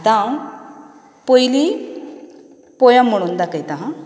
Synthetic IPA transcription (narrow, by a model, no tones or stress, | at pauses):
t̪ã | pɔjli | pɔjamm̤ːəɽ̃uːnd̪akait̪ãɦã